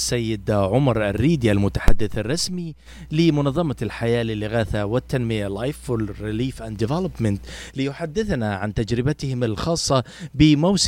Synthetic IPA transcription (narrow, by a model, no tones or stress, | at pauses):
sːajːɪd̪ʕʊmɑɾˤa̰rːiːd̪jalmʊt̪ḁħa̰d̪ːɪθɑrˤːɑsmi | lɪmʊnɑðˤːɑmɑlħajaːlɪlːɪɣaːθawɪt̪ːanmɪjalːajflrɪliːfʔand̪ɪvɛlapmɪnt̪lɪjʊħad̪ːɪθnaʕant̪ad͡ʒɾɪbat̪ɪhɪmɪlxɑːsˤːɑbɪmaws